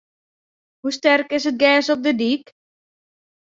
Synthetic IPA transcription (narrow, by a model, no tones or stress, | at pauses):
hustɛrkɪsɦət̚ɡɛːsɔp̚dədik